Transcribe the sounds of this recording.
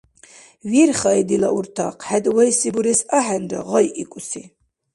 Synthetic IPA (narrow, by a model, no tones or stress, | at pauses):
wirχajd̪ila̰uɾt̪ʰaqʰħæd̪wajsibuɾɛsaħanda̰ʁɔjʔikʷʼusi